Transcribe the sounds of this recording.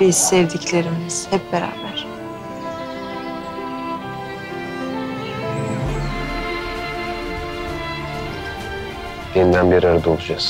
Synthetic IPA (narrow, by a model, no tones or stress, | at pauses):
iz̥sɛvd̪iclʲe̞ɾimiz̥hɛpbeɾa̰ːbæɾ̥ | d̪̥ind̪ænbiɾaɾɯd̪olˠud͡ʒas